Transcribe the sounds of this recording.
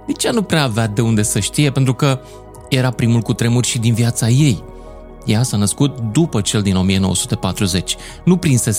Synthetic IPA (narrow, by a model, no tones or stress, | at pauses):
nit͡ʃanupɾeaːvead̪e̞und̪e̞səʃt̪ije̞pe̞nt̪ɾukə | je̞ɾapɾimulkut̪ɾe̞murʲʃid̪inviat̪saje̞j | jasanəskut̪̚d̪upət͡ʃe̞ld̪ino̞mije̞no̞wə̰su̥t̪e̞pat̪ɾuze̞t͡ʃʲ | nupɾinse̞s